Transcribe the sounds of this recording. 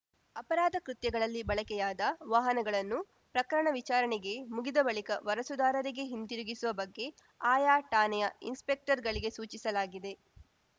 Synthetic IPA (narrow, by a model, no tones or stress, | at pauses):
ɐpɐɾaːd̪ʱɐkɾut̪jɐɡɐɭɐlːibɐɭɐkɛjaːd̪ɐʋaːɦɐnɐɡɐɭɐnːu | pɾɐkɐɾɐɳɐʋit͡ʃaːɾɐɳɛɡe̞muɡid̪ɐbɐɭikɐʋɐɾɐsud̪aːɾɐɾiɡe̞ɦint̪iɾuɡisuʋɐbɐɡːe̞ | aːjaːʈaːnɛjɐḭnspek̚ʈɐɾɡɐɭiɡe̞suːt͡ʃisɐlaːɡid̪e̞